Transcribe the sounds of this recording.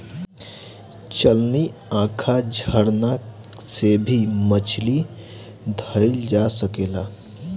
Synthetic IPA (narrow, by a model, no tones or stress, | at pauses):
t͡ʃəlniãkʰad͡ʒʱəɾna | sebʱimət͡ʃʰli | d̪ʱəld͡ʒasəkela